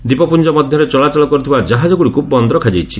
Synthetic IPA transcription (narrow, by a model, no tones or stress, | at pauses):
d̪ipɔpund͡ʒɔmɔd̪ʱjɔɾet͡ʃɔlat͡ʃalɔkɔɾut̪ʰibad͡ʒaɦad͡ʒɔɡuɽikubɔnd̪ɾɔkʰad͡ʒajt͡ʃʰi